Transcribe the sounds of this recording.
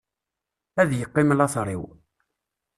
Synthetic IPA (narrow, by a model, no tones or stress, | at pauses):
æðjəqːɪməlɑθɾˤiw